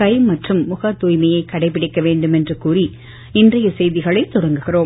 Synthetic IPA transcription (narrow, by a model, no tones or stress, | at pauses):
ɐɪmɐʈrɯmːʊɣɐt̪ːuːjmɐjɐɪkːɐɽɐɪpːɪɽɪkːɐʋeːɳɖɯmɛndrɯkuːri | ɪndrɐjɐsɛjðɪɣɐɭɐɪt̪ːʊɽɐŋɡɯɣɪroːm